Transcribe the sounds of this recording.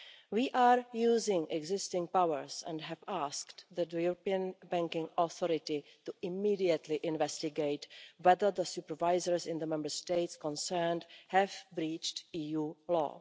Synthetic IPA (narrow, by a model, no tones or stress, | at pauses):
wiːʔaːɾjuːzɪ̃ŋʔɛɡzɪstɪ̃ŋpawəɹsɛ̰̃ndɦɛvaːsktðɛtəjuɾopiə̃nbɛ̃ŋkɪ̃ŋɔθɔɾɪt̪ɪtuɪmiːdiət̪ʰlɪʔɪ̃nvɛstɪɡejtwɛðə˞ðəsupəɹvajzəɹsɪ̃nd̪əmɛ̃mbə˞steɪtskɔ̃nsɛɹnthɛvbɾiːt͡ʃtiːjuːlɔ̰ː